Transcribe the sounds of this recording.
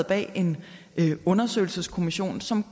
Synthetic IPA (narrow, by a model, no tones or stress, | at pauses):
b̥ɛ̰ːe̝n | ɔ̽nɐsø̰ɪl̩səskʰo̝miɕo̝̰ːnsɒ̽m